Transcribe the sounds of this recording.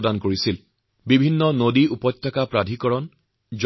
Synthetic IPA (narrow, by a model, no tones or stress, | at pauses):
dankoɹisil | bibʱinːɔnodiʔupɔt̪tʰːakapɹad̪ʱikɔɹɔn | d͡ʒ